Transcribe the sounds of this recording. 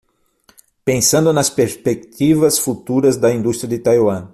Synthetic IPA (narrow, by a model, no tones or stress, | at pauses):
pẽsɐ̃nd̪ʊnɐspeɾspek̚t̪ivɐsfut̪uɾɐzd̪ɐĩnd̪ust̪ɾjɐd̪ɪt̪ajwɐ̃